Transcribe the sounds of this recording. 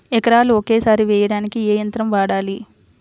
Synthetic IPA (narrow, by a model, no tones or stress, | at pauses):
ɛkɐɾaːluoke̞ːsaːɾiʋɛːjɐɽaːnikieːjɐnt̪ɾɐmʋaːɽaːli